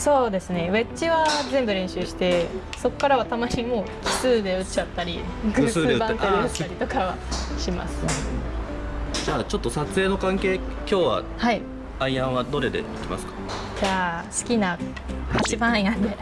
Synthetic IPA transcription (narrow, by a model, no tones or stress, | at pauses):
so̞ːd̪e̞sɨne̞βe̞t͡ɕiβazẽ̞mbɯ̟ɾẽ̞ɰ̃ɕɨːɕi̥t̪e̞ | so̞kkːaɾaβat̪amaɲ̟imo̞ːkɯ̥sɨːd̪e̞ɯt͡ɕat̪ːaɾʲiɡɯːɨːbãnk̪eɯt̪ːaɾʲit̪o̞kaβa̰ | ɕima̰sɨ̥ | d͡ʑaːt͡ɕo̞t̪ːosat͡sɨeːno̞kãŋke̞ːkʲo̞ːβa̰ | hai | aiãɰ̃βad̪o̞ɾe̞d̪ḛit̪ːema̰sɨ̥kḁ | d͡ʑaːsɨ̥kʲina | hat͡ɕibãinãnd̪e̞